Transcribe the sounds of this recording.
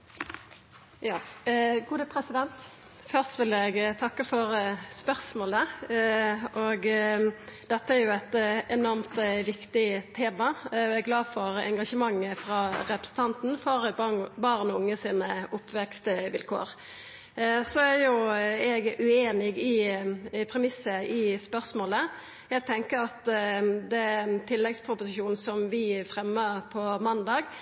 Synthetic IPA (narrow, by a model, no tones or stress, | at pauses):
jɑːɡuːd̪əpʰʁɛsɪd̪ɛnt̪ | fœʁst̪ʋɪlɛɡt̪ʰɑkːəfɔʁəspœʁsmoːlə | ʔɔɡ | d̪̥ɛt̪ːəæɾjʊɛt̪ɛnɔɾmt̪ʋɪkt̪ɪt̪ʰeːmɑɛɡɡlɑːd̪fɔʁɛ̰ŋɡɑʂəmɑŋːəfʁɑːʁɛpɾəsn̩t̪ʰɑnt̪n̩fɔʁbɑːɾnʊŋːəsiːnəʊpːʋɛkst̪əʋɪ̰lkʰo̰ːɾ | sɔæɾjʊɛɡʉeːnɪɡɪ | pʰɾɛmɪsəɪspœɾsmoːlə | jæɪɡ̚t̪ʰɛŋkəɾɑt̪d̪ɛt̪ʰɪlːɛɡspʰɾʊpʊsɪʃuːn̩sɔmʋɪfɾɛmːəɾpʰɔmɑnd̪ɑːɡ